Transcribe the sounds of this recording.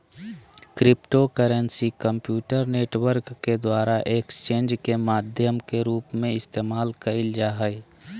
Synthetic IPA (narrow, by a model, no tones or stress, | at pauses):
kɾɪpʈokəɾənsikə̃mpjuːʈəɾneːʈwəɾkːed̪waːɾaʔekst͡ʃẽːnd͡ʒkemaːd̪ʱjəmkeɾuːpmẽɪst̪eːmaːlkəɪld͡ʒaːɦəi